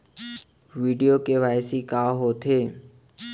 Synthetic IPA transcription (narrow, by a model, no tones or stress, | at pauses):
ʋiːɖijokeʋaːjsikaɦot̪ʰeː